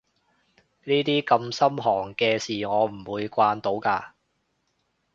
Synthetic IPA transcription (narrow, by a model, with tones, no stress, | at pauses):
niː˥t̪iː˥kɐ˧msɐ˥mɦɔː˨˩ŋkɛː˧siː˨˩ŋɔː˨˧m̩˨˩wuː˨˧jkʷaː˧nt̪o˨˧wkaː˧